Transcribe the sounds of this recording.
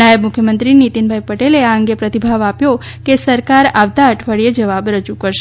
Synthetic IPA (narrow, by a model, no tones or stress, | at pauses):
najəbmʊkʰjəmənt̪ɾinit̪inbʱajpəʈeleaəŋɡepɾət̪ibʱaʋapjo | kesəɾkaɾaʋt̪aəʈʰʋəɭied͡ʒəʋabɾəd͡ʒukəɾʃ